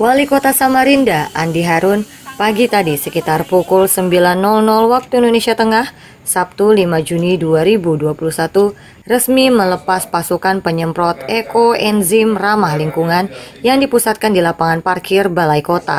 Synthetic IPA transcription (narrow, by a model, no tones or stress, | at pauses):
walikot̪asamaɾindaʔandiɦaɾʊn | paɡit̪adisəkit̪arpukulsəmbilanːɔlnɔlwak̚t̪uindonesiat̪əŋah | sap̚t̪ulimad͡ʒuniduaɾibuduapulusat̪u | rəsmimələpaspasukanpəɲəmpɾɔt̪ɛkoɛnzimramahliŋkuŋanjaŋdipusat̪̚kandilapaŋanparkɪrbalaikot̪a̰